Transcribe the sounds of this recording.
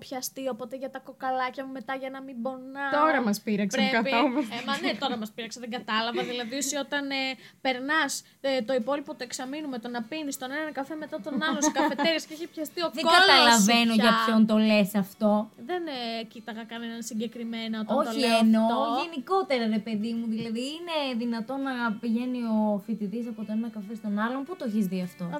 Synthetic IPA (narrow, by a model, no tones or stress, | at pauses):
pçɐst̪iopo̞t̪eʝɐt̪ɐko̞kɐlɐcɐmume̞t̪ɐʝɐnɐmibo̞nɐt̪oɾɐmɐspiɾɐkspeekɐpomeemɐnet̪o̞ɾɐmɐspiɾɐkseðeɡɐt̪ɐlɐvɐðilɐðiosio̞t̪ɐnpe̞ɾnɐs | t̪o̞ipo̞lipo̞t̪oeksɐminumet̪o̞nɐpinist̪o̞nenɐnɐkɐfemet̪ɐt̪o̞nɐlosokɐfe̞t̪eɾisceeçipçɐst̪iokðeoɡɐlɐlɐvenoʝɐpçont̪o̞lesɐft̪o̞ðencit̪ɐɣɐkɐnenɐnsiɟe̞kɾime̞nɐot̪ɐoçieno̞ʝe̞niko̞t̪e̞ɾɐɾe̞pe̞ðimuðilɐðiːne̞ðinɐt̪o̞nɐpiʝe̞nio̞fit̪iðis̬ɐpot̪o̞nenɐkɐfest̪o̞nɐlomput̪oeçizðiɐft̪o̞